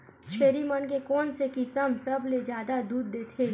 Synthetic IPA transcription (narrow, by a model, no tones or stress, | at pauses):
t͡ʃʰeːɾimənk̬ekɔːnsekisəmsɐbled͡ʒjaːd̪ad̪uːd̪̚ːeːt̪ʰe